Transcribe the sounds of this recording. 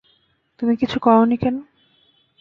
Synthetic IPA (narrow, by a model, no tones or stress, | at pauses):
t̪umikit͡ɕʰukɔonikɛno